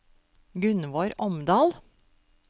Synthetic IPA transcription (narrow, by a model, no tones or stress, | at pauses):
ɡʉnʋoːɾʔɔmd̪ɑːl